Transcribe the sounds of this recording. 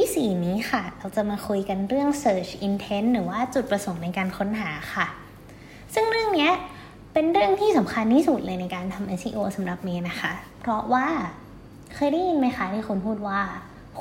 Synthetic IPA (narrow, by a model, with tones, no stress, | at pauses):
t̪ʰiː˥˩siː˨˩niː˦˥xa˥˩ɾaː˧˩wt͡ɕa˨˩maː˧kʰu˧jka˧nɾɯ˥˩əŋsɤː˧˩t͡ɕʰʔi˧nt̪ʰe˦˥nɾɯː˩˦waː˥˩t͡ɕu˨˩t̪̚pɾa˧so˨˩˦ŋna˧jkaː˧nkʰo˦˥nɦaː˩˦xʰa˥˩ | sɯ˥˩ŋɾɯ˥˩əŋni˦˥ɐ | pe˧nɾɯ˥˩əŋt̪ʰiː˥˩sa˩˦mkʰa˧ntiː˥˩su˨˩t̪̚lɤː˧jna˧jkaː˧nt̪ʰa˧mʔe˧˥sḭː˧ʔoː˧sa˩˦mɾa˨˩p̚niː˦˥na˦˥xʰa˦˥pʰɾɔ˦˥waː˥˩ | kʰɤː˧jda˥˩ji˧nma˧˩jxaː˧˩t̪ʰiː˥˩xu˧npʰuː˥˩t̪̚waː˥˩